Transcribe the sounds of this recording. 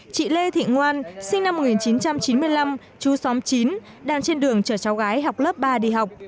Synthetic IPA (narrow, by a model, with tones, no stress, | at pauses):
t͡ɕḭ˧˨le˧t̪ʰḭ˧˨ŋwaː˧nsï˧ŋ̟na˧mo˨˩kŋi˨˩nt͡ɕi˨˦nt͡ɕa˧mt͡ɕi˨˦nmɨ˧əjla˧m | t͡ɕu˨˦sɔ˨˦mt͡ɕi˨˦n | ɗaː˧ŋt͡ɕe˧nɗɨ˨˩əŋt͡ɕəː˧˩t͡ɕɔ˨˦wɣaː˨˦jɦa˨˩wk͡p̚ləː˦˥p̚ɓaː˧ɗḭ˧˨ɦa˨˩wk͡p̚